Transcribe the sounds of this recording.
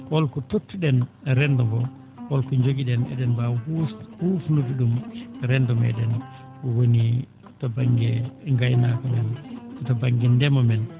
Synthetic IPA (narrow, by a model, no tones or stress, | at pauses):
ʔɔlkɔtotːuɗɛn | ɾɛndɔɡɔ | ʔɔlkɔɲd͡ʒoɡiɗɛnɛ̰ɗɛnbahuhufunudiɗumɾɛndɔmɛ̰ɗɛn | kɔwoni | tabaŋɡɛŋɡajnakɔmɛnɔtɔbaŋɡɛndɛmɔmɛn